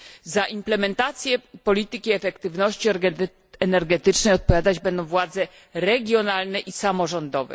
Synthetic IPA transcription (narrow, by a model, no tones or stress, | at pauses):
zaʔimplɛmɛnt̪at̪sʲjɛpɔlʲit̪ɘkʲiɛfɛkt̪ɘvnɔɕt͡ɕi | ɛnɛɾɡɛt̪ɘt͡ʂnɛjɔt̪̚pɔvʲjad̪ad͡ʑbɛnd̪ɔ̃w̃vwad̪zɛ | ɾɛɡʲjɔnalnɛʔisamɔʐɔnd̪ɔvɛ̰